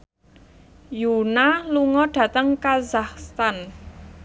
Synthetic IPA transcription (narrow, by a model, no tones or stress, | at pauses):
junaluŋɔɖ̥ä̤t̪əŋkazahst̪an